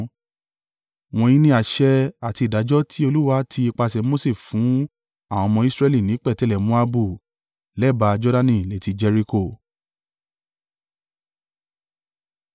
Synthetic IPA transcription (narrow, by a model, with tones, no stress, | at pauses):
w̃ɔ̃˧jĩ˧nĩ˧˦a˨ʃɛ˧a˨ti˧i˨da˨˦d͡ʒɔ˦tʰi˦o˧lu˦wa˧˦tʰi˧i˧k͡pa˧sɛ˧mo˦se˦˨fũ˨˦ | ã˦˨ɔ̃˧mɔ̃˧i˦˧sɾɛ˧li˦˨nĩ˨˦k͡pɛ˦˨tɛ˨˦lɛ˨mũ˦a˧bu˦˨ | lɛ˦˨ba˧d͡ʒɔ˦da˧nĩ˧˨le˨˦˨ti˧d͡ʒɛ˧ɾi˧ko˦˨